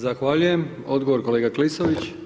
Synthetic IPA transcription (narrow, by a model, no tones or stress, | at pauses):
zaxʋaːʎuje̞m | o̞d̪ɡoʋo̞ɾko̞leːɡaklisoʋit͡ɕ